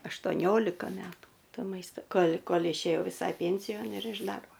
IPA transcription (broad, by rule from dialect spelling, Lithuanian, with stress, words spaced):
ɐʃtoːˈnʲoːlʲɪkɐ ˈmʲæːtuː ˈtoː ˈmɐɪstɐ ˈkoːlʲ ˈkoːlʲ ɪʃʲeːˈjɛʊ ʋʲɪˈsɐɪ ˈpʲɛnʲsʲɪjoːn ɪr ɪʃ ˈdɐrboː